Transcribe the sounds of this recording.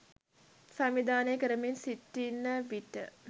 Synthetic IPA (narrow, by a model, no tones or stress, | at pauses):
sæmid̪aːnejkəɾəminsiʈːinːəʋiʈːə̰